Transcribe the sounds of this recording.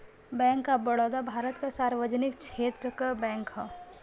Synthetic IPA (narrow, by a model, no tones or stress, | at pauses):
bɛ̃ːŋkːabɐɽoːd̪abʱaːɾət̪kasaːɾʋəd͡ʒnɪkkʃeːt̪ɾəkabɛ̃ːŋkɦa